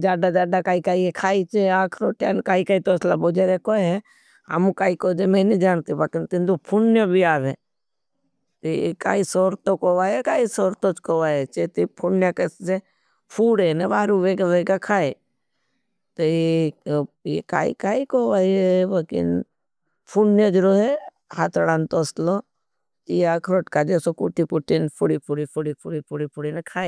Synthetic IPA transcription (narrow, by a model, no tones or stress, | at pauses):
d͡ʒaːɖad͡ʒaːɖakaːikaːiekʰaːit͡ʃeaːkʰɾoʈjaːnkaːikaːit̪oslabod͡ʒeɾekoːeɦe | a̰mũkaːikod͡ʒemẽnid͡ʒaːnt̪ibakɪnt̪ɪnd̪opʰunnjobiaːʋe | t̪ejḛka̰ːisoːɾt̪okoʋaːjekaːisoːɾt̪ot͡ʃkoʋaːet͡ʃet̪ipʰunnjakəsse | pʰuːɽenebaːɾuʋeɡaʋeːɡakʰaːe | t̪oe | jḛka̰ːḭkaːikoʋaːieʋokḭn | pʰuɳnjad͡ʒɾoɦe | hat̪ʰɽant̪oːslo | ijakʰɾoʈkad͡ʒesokuʈipuʈinpʰuɽipʰuɽipʰuɽipʰuɽipʰuɽipʰuɽinekʰaːe